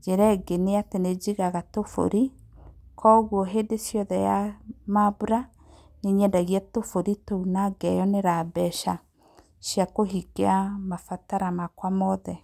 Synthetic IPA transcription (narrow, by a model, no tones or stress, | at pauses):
d͡ʒeɾɛɡeneatened͡ʒiɣaɣatofo̰ɾi | kʰɔɣwɔɦendesjɔðɛjamabuɾa | neɲɛdaɣiatofoɾitounaɡɛjɔneɾabɛʃa | ʃjakoɦiɡeamafataɾamakwamɔðɛ